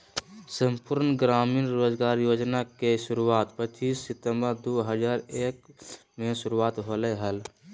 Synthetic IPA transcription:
səmpuɾnɡɾaːmiːnɾoːd͡ʒɡaːɾjoːd͡ʒnakeʃʊɾuaːt̪pət͡ʃːiːsːɪt̪əmbəɾd̪oːɦəd͡ʒaːɾeːk̚ | mẽsʊɾuaːt̪ɦoləɦəl

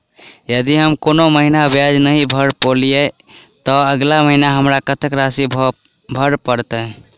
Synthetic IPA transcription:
jəd̪iɦəmkonoməɦinabjad͡ʒnəɦĩbʱəɾpolije | t̪ɔəɡlaməɦinaɦəmɾakət̪əkɾasibʱ | bʱəɾpəɾt̪ə

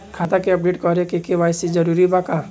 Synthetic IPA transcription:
kʰat̪akeɐp̚ɖeʈkɔɾekekeʋajsid͡ʒəɾuɾibaka

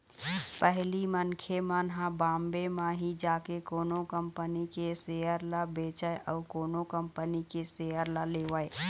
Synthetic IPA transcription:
pɛɦlimənkʰemənɦãbãːmbemãɦid͡ʒaːkekoːnõkə̃mpənikeseːjəɾlabeːt͡ʃəeʔɔːɾkoːnõkəmpənikeseːəɾlaleːʋəe

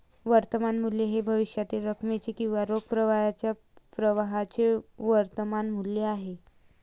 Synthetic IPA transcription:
ʋəɾt̪əmanmuljeɦebʱəʋiʂjat̪iːlɾəkʰmet͡sekĩw̃ʋaɾoɡ̚pɾəʋajat͡ɕja | pɾəʋaɦat͡seʋəɾt̪əmanmulːeaɦe

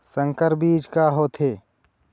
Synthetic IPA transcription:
sə̃ŋkəɾbiːd͡ʒkaɦoːt̪ʰeː

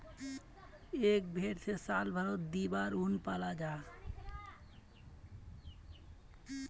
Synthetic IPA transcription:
ek̚bʱeɾt̪ʰesalbʱaɾot̪̚d̪ibaɾunpalad͡ʑa

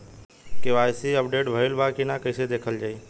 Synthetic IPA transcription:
keʋaːjsiəpɖeːʈbʱəɪlbakinakəɪsed̪eːkʰəld͡ʒaːiː

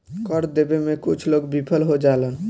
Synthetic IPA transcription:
kɔɾd̪ebemẽkut͡ʃʰloɡbipʰəlɦod͡ʒalən

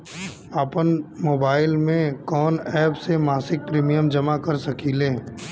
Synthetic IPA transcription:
aːpənmoːbaːɪlmẽkɔːnɛːpsemaːsɪk̚pɾiːmijəmd͡ʒɐmakɐɾsɐkiːleː

